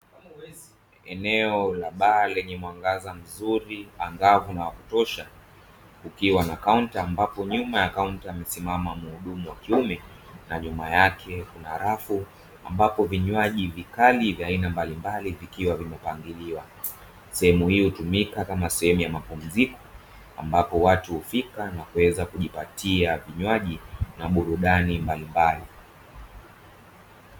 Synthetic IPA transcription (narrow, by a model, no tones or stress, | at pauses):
ɛnɛɔlaɓaːlɛɲɛmwaŋɡazam̩zuɾiaŋɡavunawaku̥tɔʃa | kukiwanakauntaːmbapɔɲumajakauntaimɛsimamamuhuɗumuwakiumɛ | naɲumajakʰɛkunaaɾafu | a̰mbapɔviɲwaʄivikalivjaːinambalimbalivikiwavimɛpaŋɡiliwa | sɛhɛmuhiːhutumikakamasɛhɛmujamapum̩zikɔ̥ | a̰mbapɔwatuhufikanakuwɛzakuʄipatiaviɲwaʄinaɓuɾuɗanimbalimbali